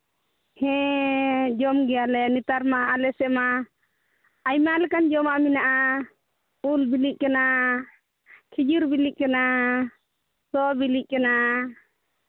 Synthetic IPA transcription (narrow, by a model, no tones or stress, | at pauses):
hɛ̃ | d͡ʒɔmɡɛalɛnit̪aɾmaːlɛsɛma | jmalɛkand͡ʒɔmaʔminaʔa | ulbiliʔ̚kana | kʰid͡ʒuɾbiliʔ̚ˀkana | sɔbiliʔ̚kana